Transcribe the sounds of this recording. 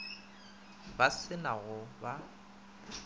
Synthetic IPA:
basɪnaɣʊba

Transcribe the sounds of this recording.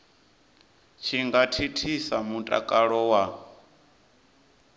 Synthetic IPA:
t͡ʃʰiŋɡatʰitʰisamutʼa̰kʼaɺɔwa

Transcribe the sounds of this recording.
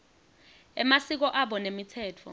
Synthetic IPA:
ɛmasik̬ɔʔaɓɔnemitʰɛːtʰɔ̰

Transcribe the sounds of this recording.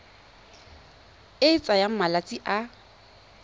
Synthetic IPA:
et͡sʼajamalat͡sʼiʔa

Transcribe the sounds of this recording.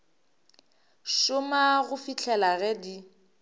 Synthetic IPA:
ʃʊmaɣʊfit͡ɬʰɛlaɣɛdi

